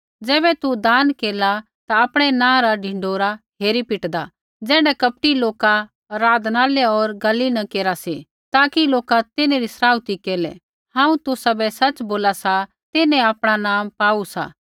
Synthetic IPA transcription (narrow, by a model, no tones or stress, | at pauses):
d͡zɛːbɛt̪ud̪aːnkeːla | t̪aɐpɽ̃ɛnãːɾaɖʱɪ̃ɳɖoːɾaɦeːɾipɪʈd̪a | d͡zɛ̃ːɽɖɛkɐp̚ʈiloːka | ɾaːd̪naːljaɔːɾɡɐlinɐkeːɾasi | t̪aːkiloːkat̪ɪneɾisɾaːut̪ikeːlɛ̰ | hãːũt̪usɐbɛsɐt͡ʃboːlasa | t̪ɪnɛ̃aːpɽ̃anaːmpaːusa̰